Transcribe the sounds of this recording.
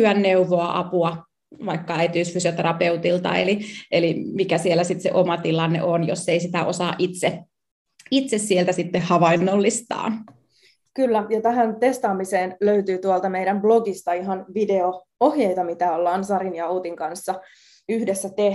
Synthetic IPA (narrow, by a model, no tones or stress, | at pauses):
yænːeuʋoɑʔɑ̰puɑ | ʋɑikːɑæit̪yːsfysiot̪eɾɑpeut̪ilt̪ɑ̰ḛlielimikæsielːˑæsit̪sḛʔomɑt̪ilɑnːḛʔonjo̰sːeisit̪æʔosɑːʔʔit̪se | it̪sessielt̪æsit̪ːehhɑʋɑinːolːist̪ɑ̰ːn | kylːæjɑt̪æɦænt̪e̞st̪ɑːmiseːnløyt̪yːt̪uɑlt̪ɑmejdæmbloɡist̪ɑiɦɑnʋide̞o | ohjejt̪ɑmit̪æolːɑːnsɑɾinjɑout̪iŋkɑnsːɑ | yhde̞sːæt̪e